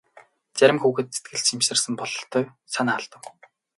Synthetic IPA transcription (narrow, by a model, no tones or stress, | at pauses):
t͡sæɾʲɪ̆mxuːɣɘ̆t̪set̪̚ɡɘ̆ɮt͡ɕimʃɘ̆rsə̆mpɔɮɞ̆ɬt̪ʰːɔw | sanaːaɮt̪ə̆w